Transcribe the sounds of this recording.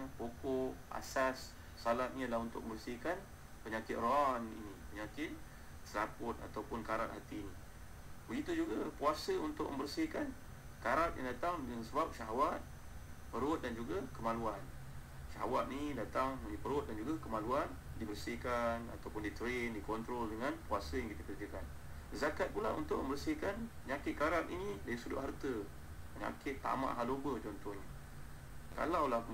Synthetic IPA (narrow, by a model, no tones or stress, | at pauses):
pokɔʔa̰sasː | alat̪̚nialahunt̪ʊk̚mə̃mbərsikan | pəɲakɪt̪̚rɔanḭnipəɲakɪt̪̚ | səlapʊt̪̚a̰t̪awpʊnkaɾat̪hat̪iːni | bəɡit̪ud͡ʒuɡapuasəunt̪ʊk̚mə̰̃mbərsikan | kaɾat̪̚jʔaŋdat̪aŋdaŋsəbap̚ʃaɦawat̪̚ | pəɾʊt̪̚dand͡ʒuɡakəmaluan | ʃaɦa̰wat̪̚nidat̪aŋnipəɾʊt̪̚dand͡ʒuɡakəmaluan | dibərsikana̰t̪awpʊndit̪əɾendikɔnt̪ɾɔldəŋanpuasəjaŋkit̪əkərd͡ʒakan | zakat̪̚pulaunt̪ʊʔ̚məmbərsikanpəɲakɪt̪̚kaɾat̪ḭnĩdaisudʊ̰ʔɦart̪ə | pəɲa̰kɪt̪ːa̰mã̰ʔɦalobəd͡ʒɔnt̪ɔhni | ka̰lawlah